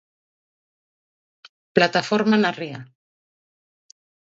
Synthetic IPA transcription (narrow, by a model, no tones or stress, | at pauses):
plat̪afoɾmanaria